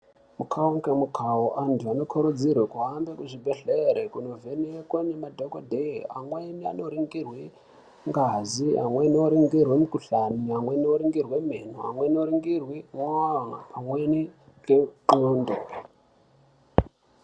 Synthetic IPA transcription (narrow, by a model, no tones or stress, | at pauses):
mukʰauŋkemukʰaoʔantʰuano̞kʰoɾud͡zirwekuɦambekuʐibʱeɬeɾekuno̞veneekonemadʱokodʱea̰mwenia̰no̞ɾiŋɡirwi | ŋɡazia̰mwe̞nioɾiŋɡirwemukuɬaniamwenioɾiŋɡirwemeno̰a̰mwe̞noɾiŋɡirwimwaaapʰamweni | keŋ͡ǃoːndo